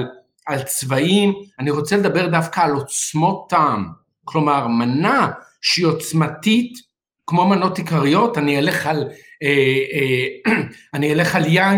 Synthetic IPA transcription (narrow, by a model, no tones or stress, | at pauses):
l | alt͡svaimaniʁo̞t͡seled̪abe̞ʁd̪afkaːlo̞t͡smo̞tːam | klo̞maʁmanaʃeio̞t͡smatit | kmo̞mano̞tikaʁijo̞tanieleχalee | aniele̞χalja